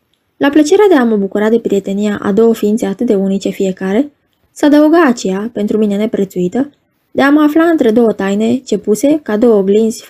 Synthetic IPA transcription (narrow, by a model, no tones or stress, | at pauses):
laplət͡ʃe̞ɾead̪e̞aməbukuɾad̪e̞pɾije̞t̪e̞nijaʔa̰d̪o̞wəfiːnt̪se̞at̪ɨt̪̚d̪e̞unit͡ʃe̞fije̞kaɾe̞ | səad̪əuɡaːt͡ʃe̞jape̞nt̪ɾumine̞ne̞pɾe̞t̪suit̪ə | d̪e̞aməaflaɨnt̪ɾe̞d̪o̞wət̪ajne̞t͡ʃe̞puse̞kad̪o̞wəɡlinz̥ʲ